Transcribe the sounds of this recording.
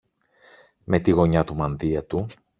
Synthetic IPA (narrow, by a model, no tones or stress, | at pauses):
me̞t̪iɣo̞ɲɐt̪umɐnðiɐt̪u